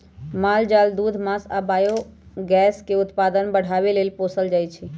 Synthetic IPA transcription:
maːld͡ʒaːld̪uːd̪ʱmãːsabaːjo | ɡɛːskeʊt̪paːd̪ənbəɽ̤aʋeleːlposəld͡ʒaːjt͡ʃʰɛ

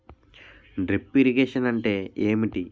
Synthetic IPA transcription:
ɖɾipːiɾiɡeːʂɐnɐɳʈe̞ːeːmiʈi

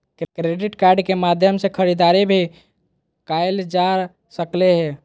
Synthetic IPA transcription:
kɾeɖɪʈkaɾɖkemad̪ʱjəmsekʰəɾid̪aɾebʱi | kaeld͡ʒaɾ | səkleɦɛ

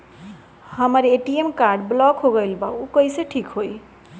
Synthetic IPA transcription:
hʌmʌɾeʈiemkarɖblʌɡɦoɡʌjlbʌukʌjsʌʈʰikɦoj

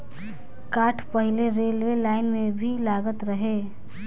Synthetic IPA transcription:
kaʈʰpəɦileɾelwelaɪnmebʱilaɡət̪ɾəɦe

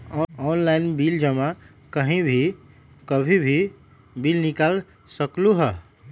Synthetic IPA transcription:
ɔɔnlajnbild͡ʒəma | kəɦĩbʱi | kəbʱibʱi | bilnikal | səkluɦə

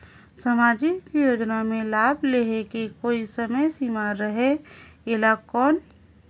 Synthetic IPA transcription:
səmaːd͡ʒɪkjoːd͡ʒnamẽlaːbleɦekekoːisɐməjsimaːɾːəɦeeːlakɔːn

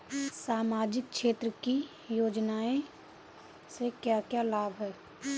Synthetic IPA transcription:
saːmaːd͡ʒɪk̚t͡ʃʃeːt̪ɾəki | joːd͡ʒnaːẽ | sekjakjalaːbɦɛː

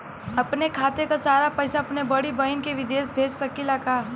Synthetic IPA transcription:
ɐpnekʰaːt̪ekasaːɾapɛːsaɐpnebɐɽibɐɪnkeʋɪd̪eːsbʱeːd͡ʒsɐkilakaː

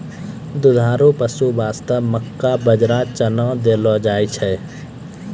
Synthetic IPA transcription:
d̪ʊd̪ʱaːɾupəsubaːst̪əbməkːabəd͡ʒɾat͡ʃənə̃d̪elɔd͡ʒaːjt͡ʃʰɛ

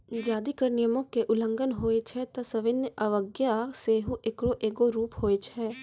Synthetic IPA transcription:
d͡ʒaːd̪ikəɾnɪjəmõkeʔʊlə̃ŋɡənɦoːet͡ʃʰɛt̪ɐsəʋɪnjaʋəɡjaseːɦuʔekɽoʔeːɡoɾuːpɦoːet͡ʃʰɛː

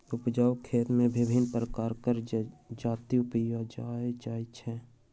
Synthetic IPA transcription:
ʊpd͡ʒaːwkʰeːt̪mẽbɪbʱɪnpɾəkaːɾkəɾd͡ʒaːt̪iʊpijad͡ʒaːed͡ʒaːit͡ʃʰɛː

